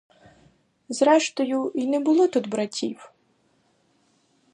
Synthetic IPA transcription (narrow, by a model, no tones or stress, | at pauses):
zɾɛʃt̪ɔjʊinɛbʊlˠɔt̪ud̪bɾɐtʲiw